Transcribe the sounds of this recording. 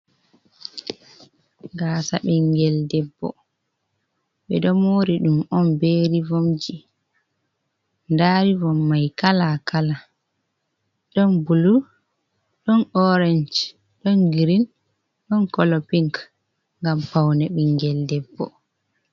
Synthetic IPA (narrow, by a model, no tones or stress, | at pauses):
ɡasa̰ɓiŋɡɛldɛbːɔ̰ | ɓɛɗɔmoːɾiɗumɔnbeɾivɔmd͡ʒi | ndaːɾivɔmːajkalakala | ɗɔnbulu | ɗɔnɔɾɛnd͡ʒ | ɗɔnɡiɾin | ɗɔnkɔlɔpiŋk | ŋɡampawnɛɓiŋɡɛldɛbːɔ̰